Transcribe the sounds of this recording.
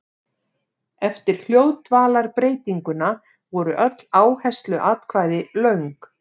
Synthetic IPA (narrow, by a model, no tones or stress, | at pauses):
ɛft̪ɪɾ̥l̥joːwt̪vaːlaɾpɾeːjt̪iŋkʏna | vɔɾʏʔœt̪l̥aːwhɛst̪lʏʔat̪kʰvaːjðɪlœɥŋk